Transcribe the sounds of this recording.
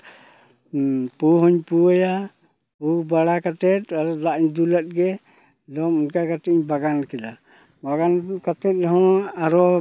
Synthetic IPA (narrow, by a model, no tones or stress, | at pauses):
puɦɔɲpuaja | ubaɽakat̪ɛt̪̚aɾɔlaʔɲd̪ulat̪̚ɡɛ | dɔmunkakat̪ɛtiɲbaɡankɛd͡ʒa | baɡankat̪ɛt̪̚ˀɾɛɦɔaɾɔ